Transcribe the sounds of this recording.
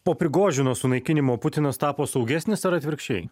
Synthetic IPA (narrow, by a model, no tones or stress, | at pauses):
poːpʲɾʲɪɡoːʒʲʊnoːsʊnɐɪkʲɪnʲɪmoːpʊt̪ʲɪnɐst̪ɑːpoːsɒʊɡʲæːsʲnʲɪsɐɾɐt̪ʲʋʲɪɾʲkʃʲt͡ʃʲɛɪ